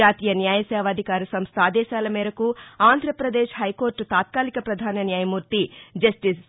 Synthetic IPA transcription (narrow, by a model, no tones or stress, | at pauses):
aːt̪iːjɐnjaːjɐsɛːʋaːd̪ʱikaːɾɐsɐmst̪ʰaːd̪ɛːʃaːlɐmɛːɾɐkuaːnd̪ʱɾɐpɾɐd̪eːʃɦɐjkoːɾʈt̪aːt̪̚kaːlikɐpɾɐd̪ʱaːnɐnjaːjɐmuːɾt̪id͡ʒɐsʈis